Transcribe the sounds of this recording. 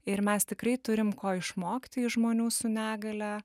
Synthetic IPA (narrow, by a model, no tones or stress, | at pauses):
ɪɾmʲɛst̪ʲɪkrɐɪt̪ʊɾʲɪmkoːɪʃmoːkt̪ʲɪɪʒmoːnʲuːsʊnʲæːɡɐlʲɛ